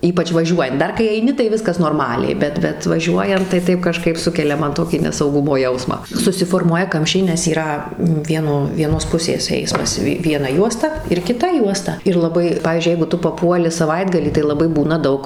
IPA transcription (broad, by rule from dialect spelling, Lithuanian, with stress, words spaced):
ˈiːpɐt͡ʃʲ ʋɐˈʒʲuɔjɛnt ˈdɐr kɐɪ ɐɪˈnʲɪ tɐɪ ˈʋʲɪskɐs noːrˈmɑːlʲɛɪ ˈbʲɛt ˈbʲɛt ʋɐˈʒʲuɔjɛnt tɐɪ ˈtɐɪp kɐˈʃkɐɪp ˈsʊkʲɛlʲɛ ˈmɐn ˈtoːkʲiː nʲɛsɐʊˈɡʊmoː ˈjɛʊsmɑː sʊsʲɪfoːrˈmuɔjɛ ˈkɐmʲʃʲt͡ʃʲɛɪ nʲɛs iːˈrɐ ˈʋʲiɛnoː ʋʲiɛˈnoːs ˈpʊsʲeːs ˈɛɪsmɐs ˈʋʲɪ ʋʲiɛˈnɐ ˈjuɔstɐ ɪr kʲɪˈtɐ ˈjuɔstɐ ɪr lˠɐˈbɐɪ ˈpɑːʋʲiːzʲd͡ʒʲʊɪ ˈjɛɪɡʊ ˈtʊ pɐˈpuɔlʲɪ sɐˈʋɐɪdɡɐlʲiː tɐɪ lˠɐˈbɐɪ ˈbuːnɐ ˈdɐʊk